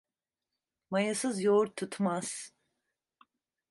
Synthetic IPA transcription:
majasɯzjouɾt̪ʰut̪maz̥

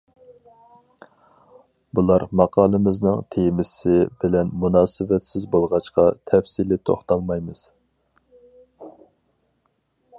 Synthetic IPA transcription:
bulˠɑɾmɑqʰɑːlˠɨmɪznɪŋt̪ʰemɪsɪbɪlɛnmunɑːsɪvɛt̪sɪzbolˠʁɑt͡ʃqɑt̪ʰɛfsilɪt̪ʰo̰χt̪ɑlˠmɑjmɨz̥

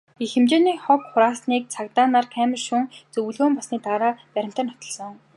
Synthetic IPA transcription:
ixĕmt͡ɕeːniːχɔkχʊɾaːsniːk̚t͡sʰakt̪aːnaːrkʰæːmə̆rʃuŋt͡sɵw̆ɮɣoːmpasniːt̪aːɾaːpæɾʲɪ̆m̥t̪ə̆nːɔt̪ɞ̆ɮsɞ̆ŋŋ

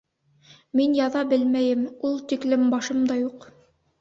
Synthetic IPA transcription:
minjɑðɑbɘlmæjɘmulˠt̪iklɘmbɑʃɤmd̪ɑjuq

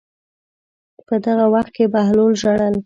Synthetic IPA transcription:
pəd̪aɣawaxt̪̚kebaɦlolʒaɽal

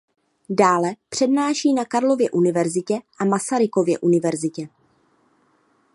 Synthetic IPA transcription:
daːlɛpr̝̥ɛdnaːʃiːnakaɾlo̞vjɛʔunɪvɛɾzɪcɛʔamasaɾɪko̞vjɛ̰ʔunɪvɛɾzɪcɛ

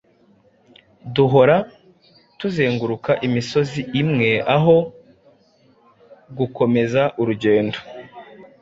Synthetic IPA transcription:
duɦo̞ɾa | tuzeːŋɡuɾukaʔimiso̞ziʔːmŋe̞aɦo̞ | ɡuko̞me̞zaʔuɾuɟe̞ːndo

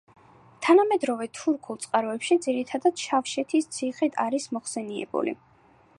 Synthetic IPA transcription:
t̪ʰanamɛd̪ɾɔvɛt̪ʰuɾkʰulˠt̪sʼqʼaɾɔɛpʃid̪ziɾit̪ʰad̪ad̪̥ʃafʃɛt̪ʰist̪sʰiχit̪ʰaɾismɔχsɛniɛ̰bṵlḭ

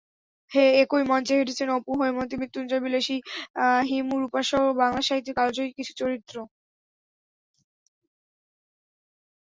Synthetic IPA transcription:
heekojmɔnt͡ɕeɦeʈʰet͡ɕʰenopuɦoemont̪̬imit̪ːund͡ʑabileʃiɦimuɾupaʃobaŋlaʃaɦit̪ːiɾkalod͡ʑoikit͡ɕʰu̥t͡ɕoɾit̪ːɾo

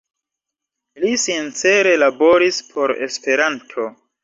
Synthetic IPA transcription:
lisint͡se̞ɾe̞labo̞ɾispʰo̞ɾe̞̰spe̞ɾantʰo̞

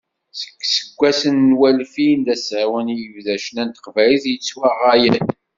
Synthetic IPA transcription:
sə̥kːsə̥kʷːæsənːwælfind̪æsʕawənjəvðæʃənænt̪ə̥qvæliθjət͡sːwæʁæjən

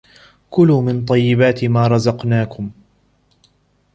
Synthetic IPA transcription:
kʊlumɪnt̪ˤɑjːɪbaːt̪maːɾˤɑzɑqnaːkʊm

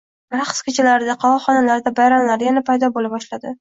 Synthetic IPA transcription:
bɾaqskʰʲot͡ʃʰɪlaɾɪd̪aqʰɑvɒχɒnalaɾd̪abajɾamlaɾjanapʰajd̪ɒbolabɒʃlad̪ɪ

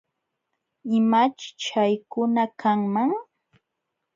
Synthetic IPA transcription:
ɪmat͡ʃɪ̥t͡ʃajkʊnakaŋmaŋ

